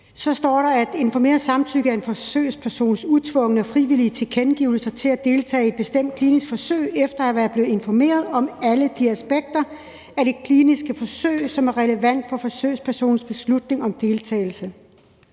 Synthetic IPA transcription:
sɒ̽sd̥ɒ̰ːɾɑ̈æd̥e̝nfɒme̝̰ːɐsɑ̈mt͡sʰyɡ̥əæɐe̝nfɒ̽sø̰ːspʰæɐso̝̰ːnsut͡sʰʋɔ̽ŋənəɒfʁiʋiliət͡sʰe̝kʰenɡ̥iʊl̩sɐt͡sʰe̝læd̥e̝ːlt͡sʰɛ̰ːed̥̚b̥e̝sd̥em̰d̥̚kʰlinisɡ̥fɒ̽sø̰ɪ̰efd̥ɐæʋæːɐb̥le̝ːð̩ˠe̝nfɒme̝̰ːɐð̞ˠɒ̽mæləd̥iæsb̥eɡ̥̚d̥ɐ | æɐɾ̥e̝kʰliːnisɡ̥əfɒ̽sø̰ɪ̰sɒ̽mæɐʁɛləʋæn̰d̥fɒ̽fɒ̽sø̰ːɪspʰæɐso̝̰ːn̩sb̥e̝slud̥ne̝ŋɒ̽md̥e̝lt͡sʰɛ̰ːɪl̩sə

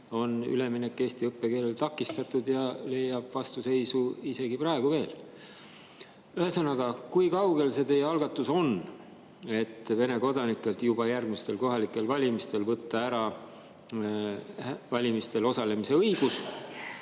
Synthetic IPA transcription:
o̞ny̰le̞minekːˑe̞ːst̪iɤpːe̞ke̞ːle̞lt̪ɑkːˑist̪ɑt̪ːˑud̪jɑle̞jːɑb̥vɑst̪use̞jsuise̞ɡ̥iprɑe̞ɡ̥uve̞ːl | yhesɑnːɑɡ̥ɑkujkɑwɡ̥e̞lse̞t̪e̞jːeɑlɡ̥ɑt̪ːˑuso̞n | e̞t̪ːve̞ne̞ko̞d̪ɑnikˑːe̞lt̪jubɑjærɡmist̪e̞lko̞ɦɑlikːˑe̞lvɑlʲimist̪e̞lvɤt̪ːɑæɾɑ | vɑlʲimist̪e̞lo̞sɑle̞mise̞ɤjɡ̥us

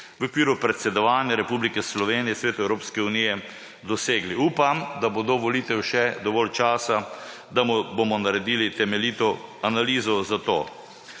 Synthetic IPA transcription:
ʋokʋiːɾupɾɛt̪sɛd̪ɔʋaːnjaɾɛpublikɛslɔʋeːnijɛsʋeːt̪uɛwɾoːpskɛunijɛ | d̪ɔseːɡliuːpamd̪abod̪oʋɔliːt̪ɛwʃɛd̪ɔʋɔlt͡ʃaːsa | d̪amɔbomɔnaɾɛd̪iːlit̪ɛmɛliːt̪ɔanaliːzɔzat̪o̰ː

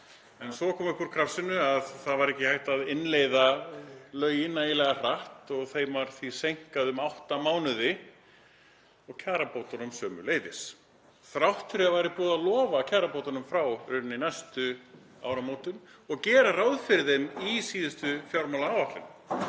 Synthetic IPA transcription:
ɛnsɔkʰɔːmʏhkʏɾ̥kʰɾafsɪnːʏaðθaðvaɾɛhcɪhajht̪aðɪnlejðalœːɥjɪnːajɪlɛɣar̥aht̪ɔɣθejmvaɾ̥θvisejŋ̥kaðʏmawht̪amaːwnʏðɪ | ɔɣcʰaːɾapowt̪ɔnʏmsœːmʏ̰leːjðɪs | θɾawht̪ʰʏɾɪavajɾɪpuːðalɔːvacʰaːɾapowt̪anʏmfɾawɾʏnɪnajst̪ʏ | a̰ːwɾamoːwt̪ʏnɔɣcɛːɾarawðfɪɾðɪnisiːðɪst̪ʏfjɔwɾmawlaawvak̪lɪnʏ

